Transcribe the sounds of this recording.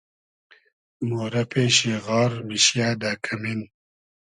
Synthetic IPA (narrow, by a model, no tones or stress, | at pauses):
moːɾɐpʰeːɕeːɣɑːɾmiɕjaːd̪aːkʰɐmin